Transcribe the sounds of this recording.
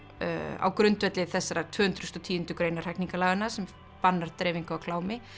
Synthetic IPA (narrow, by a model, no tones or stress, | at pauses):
a̰wkɾʏnt̪vɛt̪lɪθɛsːaɾat̪ʰvʏːhʏnt̪ɾʏst̪ɔt̪ʰiːʏnt̪ʏkɾejnar̥ɛjkniŋkalaːɣanasɛm | panːaɾ̥t̪ɾeːjviŋkaawkʰlaːwmɪ